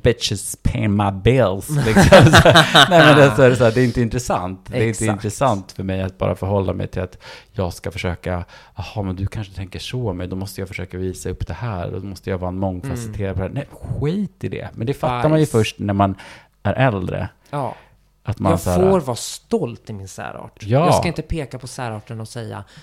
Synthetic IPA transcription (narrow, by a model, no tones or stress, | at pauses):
b̥ɪʂɪspʰɛmabɪlslɪksɔmsnɛːmɛnd̪alsɔæɾɛsɔæːɖɛːɪnt̪əɪnt̪ɾɛsant̪d̪ɛɪnt̪əɪnt̪ɾɛsant̪fœɾmɛjat̪̚bɑ̰ːɾʔa̰fœɾhɔlːamɛ̰jt̪ʰɪlat̪jɑːɡskafœʂøːkaɑhɑmɛnd̪ɵkʰanʂət̪ʰɛŋkəʂɔmɛjd̪ɔmɔst̪əjɑːfœʂøːkaviːsaɵpːd̪̥ɛhæːɾdɔ̰dmɔst̪əjavɑːɛnmɔŋːkʰasɪlt̪ʰeːɾad̪pʰd̪ɛhæːnɛmɧɧiːt̪ɪd̪ɛ̰mɛnd̪ɛfatt̪ːaɾmanjɵfœʂʈnæɾman | æɾʔɛld̪ɾə̰ | ʔat̪masːɾoːɾvɑːst̪ɔlt̪ɪmɪnsæ̰ːɾɑ̰ːʈjɑːskaɪnt̪əpʰeːkapʰɔsæːɾɑːʈənɔsɛjːa̰